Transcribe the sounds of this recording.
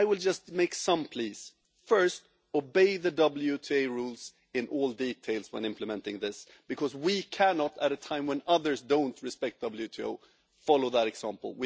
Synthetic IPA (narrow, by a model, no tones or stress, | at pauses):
ɪwɪlˠd͡ʒʌst̚meɪksʌ̃mpʰl̥iz̥ | fɜ˞st | obeɪðɨdʌbl̩ˠjʉtʰieɪɹulˠz̥ | ɨ̃nʔɔlˠditʰeɪlˠz̥wə̃nɪ̃mpləmɛ̃ntɪ̰̃ŋðɪs | b̥ɨkʰʌzwikʰænɑɾɨɾɨtʰãɪ̃mwə̃nʌðə˞zdõʊ̃ntʰɹɨspɛk̚t̚d̥ʌbl̩ˠjʉtʰio̰ʊ | fɑlˠoʊðəɾɨɡsæ̃mpl̩ˠwi